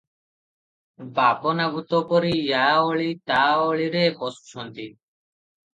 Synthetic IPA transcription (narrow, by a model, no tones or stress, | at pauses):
baponaɡʱut̪opoɾijaoɭit̪aoɭiɾekɔst͡ʃʰɔnt̪i